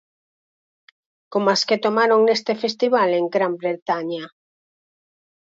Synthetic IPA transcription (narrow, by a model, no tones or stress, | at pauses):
komasket̪omaɾoŋnest̪efest̪iβaleŋɡɾambɾet̪aɲa